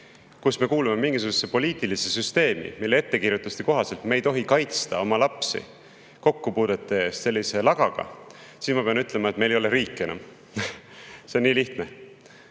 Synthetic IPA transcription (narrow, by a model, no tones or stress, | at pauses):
kusme̞kuːlume̞miŋɡ̥isuɡ̥usːe̞po̞lʲiːt̪ːˑilisesyst̪e̞ːmḭmilːee̞t̪ːe̞kirjut̪ːˑust̪iko̞ɦɑse̞lt̪mejt̪o̞ɦikɑjt̪st̪ɑo̞mɑlɑpsḭ | ko̞kːupuːd̪̥et̪ːˑeest̪se̞lʲːise̞lɑɡ̥ɑɡ̥ɑ̰ | sismɑpe̞ɑnyt̪ːˑle̞mɑet̪me̞jlejoleɾiːkˑːe̞nɑ̰m | seonːiːliht̪ne